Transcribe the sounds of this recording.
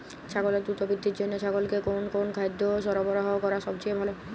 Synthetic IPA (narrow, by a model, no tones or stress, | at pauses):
t͡ɕʰaɡoleɾd̪ɾut̪obid̪ʱːiɾd͡ʑonːot͡ɕʰaɡolkekonkonkʰajd̪ʱːoʃɔɾɔbɔɾaɦaokɔɾaʃɔb̚t͡ɕebʱalo